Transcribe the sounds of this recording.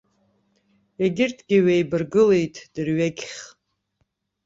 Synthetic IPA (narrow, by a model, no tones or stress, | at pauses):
eɡʲɪrtʰʼɡʲɪɥejbɨrɡɨle̞jtʼʰd̥ɨrɥeɡʲχʲ